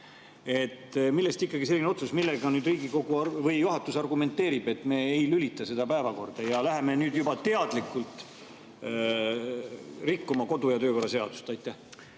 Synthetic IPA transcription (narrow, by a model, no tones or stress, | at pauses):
e̞t̪ːmilːest̪ikːˑɑɡ̥ise̞lːineo̞t̪susmilːeɡ̥ɑnyːd̪riːɡiko̞ɡ̥uvɤjjuɦɑt̪ːˑusɑrɡume̞nt̪ːe̞ːɾib̥e̞t̪ːˑme̞ːejlylit̪ːˑɑse̞d̪̥ɑpæevɑko̞̰rd̪̥ɑjɑlæɦe̞me̞nyːd̪jubɑt̪e̞ɑd̪̥likːˑult̪ˑ | rikːumɑko̞d̪ujɑt̪øːko̞rːɑse̞ɑ̰d̪̥u̥st̪ɑjt̪ːˑæh